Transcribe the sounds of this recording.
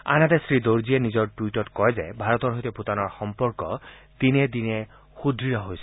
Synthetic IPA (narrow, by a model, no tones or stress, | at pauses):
a̰nat̪ɛsɹid̪oɹzienizɔɹʈwitɔtkɔjzɛ̰bʱaɹɔt̪ɔɹɦojt̪eput̪anɔɹxɔmpɔɹkɔt̪ined̪inɛ | xud̪ʱɹijɔɦojs